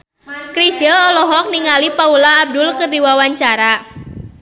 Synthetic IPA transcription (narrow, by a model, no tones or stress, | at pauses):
kɾisəlɔlɔɦɔk̚niŋalipaulaːb̚dʊlkərdiwawaɲt͡ʃaɾa